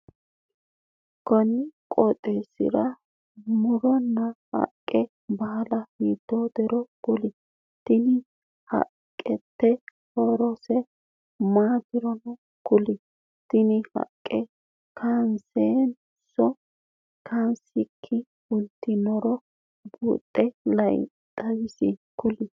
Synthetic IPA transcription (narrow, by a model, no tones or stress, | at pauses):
kɔnɪkʼɔt̪ʼeːsɪ̰ɾɐ | mʊɾɔnːɐhɐ̰kʼːɛ | bɐlɐhiːd̪ːod̪ɛɾɔɡ̥ʊlɪ | t̪ɪnɪ | hɐ̰ | kʼːɛtːɛhɔɾɔsɛ | maːd̪ɪɾɔnɔ | kʊlɪ | t̪ɪnɪhɐ̰kʼːɛ | kʰanseːn | sɔ | kʰansɪkʰːɪ | ʊlt̪ːɪnɔɾɔ | buːt̪ʼːɛlɐj̰ | t̪ʼɐzɪsɪkʊlɪ